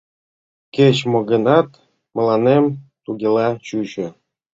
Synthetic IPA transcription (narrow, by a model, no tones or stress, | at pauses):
ket͡ɕmŏɡə̆nɑt̪ | mɤ̆lˠɑnemt̪uɡʲelˠɑt͡ɕut͡ɕø̆